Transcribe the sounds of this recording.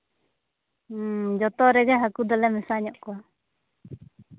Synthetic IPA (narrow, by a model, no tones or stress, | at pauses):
d͡ʒɔt̪ɔɾɛd͡ʒaɦakud̪ɔlɛmɛsaɲɔʔkɔwa